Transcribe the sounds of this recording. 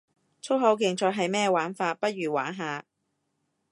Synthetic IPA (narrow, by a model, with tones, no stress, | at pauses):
t͡sʰo˥ɦɐ˨˥wkɪ˨˩ŋt͡ʃɔː˧jɦɐ˨jmɛː˥waː˨˥nfaː˧t̚pɐ˥t̚ɥyː˨˩waː˨˥nɦaː˨˧